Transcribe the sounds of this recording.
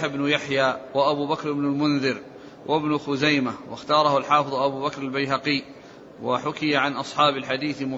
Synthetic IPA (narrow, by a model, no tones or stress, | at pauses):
ɪbnʊjaħjaːwaʔabuːbakɾɪbnalmʊnðɪɾ | wʔabnʊxʊzajmawaxt̪ɑːɾˤɑhʊlħɑːfɨðˤʔabuːbakɾˤalbajɦaqɪjː | waħʊkɪjaʕanʔɑsˤħɑːbalħad̪iːθmʊ